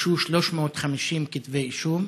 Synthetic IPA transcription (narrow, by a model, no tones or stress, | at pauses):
ʃuʃloʃmoːt̪χamiʃimkit̪vejʃum